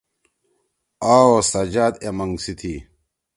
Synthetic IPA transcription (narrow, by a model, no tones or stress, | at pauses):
aːosɐd͡ʑaːd̪emɐŋɡsit̪ʰi